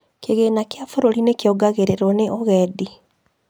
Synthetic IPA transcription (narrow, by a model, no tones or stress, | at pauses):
keɣenakeafoɾoɾinekeɔɡaɣeɾeɾɔneʔoɣɛdi